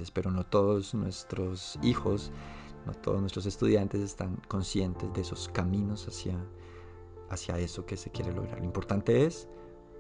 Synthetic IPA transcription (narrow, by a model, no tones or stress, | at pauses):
espe̞ɾo̞no̞t̪o̞ðoznwest̪ɾosixo̞s | no̰t̪oðoznwest̪ɾo̞sest̪uðjant̪e̞se̞st̪aŋko̞nsje̞nt̪e̞zd̪eeso̞skamĩno̞sasja | sjae̞so̞kese̞kje̞ɾe̞lo̞̰ɣɾa̰ɾloimpo̞ɾt̪ant̪e̞es